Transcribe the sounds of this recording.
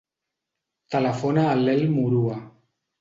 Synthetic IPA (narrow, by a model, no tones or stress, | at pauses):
t̪ələfonaːlːelmuɾua